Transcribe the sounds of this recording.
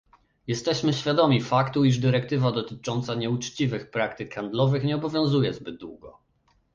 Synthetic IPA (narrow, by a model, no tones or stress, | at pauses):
jɛst̪ɛɕmɘɕfʲjad̪ɔmʲifakt̪uiʐd̪ɘɾɛkt̪ɘvad̪ɔt̪ɘt͡ʂɔnt̪saɲɛut͡ʂt͡ɕivɘxpɾakt̪ɘkxand̪lɔvɘxɲɛɔbɔvʲjɔ̃w̃zujɛzbɘd̪̚d̪wṵɡɔ